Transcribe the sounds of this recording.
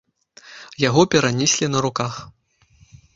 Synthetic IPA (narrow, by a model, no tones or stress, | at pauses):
jaɣɔpʲɛɾanʲisʲlʲinɐɾukax